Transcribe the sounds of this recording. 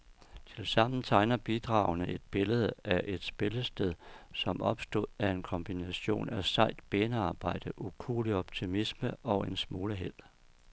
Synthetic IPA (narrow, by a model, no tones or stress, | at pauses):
t͡sʰe̝lsɑ̈m̰n̩t͡sʰɑ̈ɪnɐb̥id̥ʁɑ̈ːʊnəʔe̝d̥̚b̥e̝ləð̞̩ˠəʔæʔe̝d̥sb̥e̝ləsd̥eð̞ˠsɒ̽mʔɒ̽b̥sd̥o̝ð̰ˠæe̝nkʰɒ̽mb̥inæɕo̝̰ːnæsɑ̈ɪd̥b̥eːnəɑ̈ːb̥ɑ̈ɪ̰d̥əʔukʰṵːliɒ̽b̥t͡sʰimisməɒ̽e̝nsmoːləɦel̰